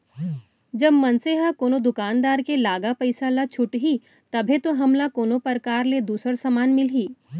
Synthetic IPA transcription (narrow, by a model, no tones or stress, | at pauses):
d͡ʒɐbmɐnseɦakoːnod̪ʊkaːnd̪aːɾkelaːɡapɐɪsalat͡ʃʰʊʈɦi | t̪ɐbʱet̪oɦɐmlakoːnopəɾkaːɾled̪uːsəɾsɐmaːnmɪlɦiː